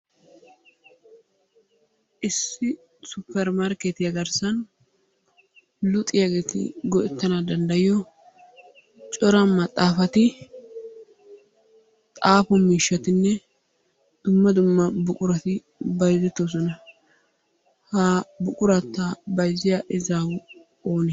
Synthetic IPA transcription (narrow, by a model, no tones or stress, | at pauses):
ʔɪsːɪ | sʊpːɛɾmaɾket̪jɐɡɐɾsɐn | lʊt̪ʼɪjɐɡe̞ːt̪ɪ̰ɡɔʔɛt̪ːɐnad̪ɐnd̪ɐjɪjɔ | t͡ʃʼɔɾɐmɐt̪ʼːaːfɐt̪ɪ | t̪ʼaːfɔmiːʃːɐt̪ɪnːɛ | d̪̥ʊmːɐd̪ʊmːɐbʊkʼʊɾɐt̪ɪ | bɐjzɛt̪ːos̬ɔnɐ | hɐbʊkʼʊɾɐt̪ːɐbɐjzɪjaʔɪzawʊ | o̞ːnɛ